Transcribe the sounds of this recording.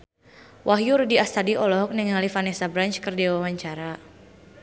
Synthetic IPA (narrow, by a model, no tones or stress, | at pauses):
wʔaɦjurdiast̪adiʔɔlɔɦɔk̚nɛŋalifanɛsabɾant͡ʃkərdiwawaɲt͡ʃaɾa